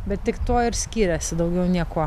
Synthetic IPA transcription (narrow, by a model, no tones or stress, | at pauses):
bʲɛt̪t̪ʲɪkt̪oːɪɾsʲkʲiːɾʲɛsʲɪd̪ɐʊɡʲɛʊnʲiɛkoː